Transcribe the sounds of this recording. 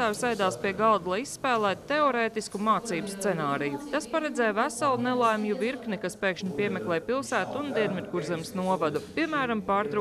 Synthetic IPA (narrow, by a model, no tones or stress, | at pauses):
aːvsɛjd̪aːspiɛɡɑlˠd̪lˠajisːpæːlˠæːt̪t̪eoɾeːt̪iskumaːt̪siːbsːt̪ɛnaːɾijut̪aspaɾɛd̪zɛːjvæsalˠunelˠajmjuviɾknikaspeːkʃnipiɛmɛklˠɛːjpilˠsæːt̪und̪iɛnmit̪̚ɡuɾzemsnuɔvad̪upiɛmæːɾampɑːɾt̪ɾu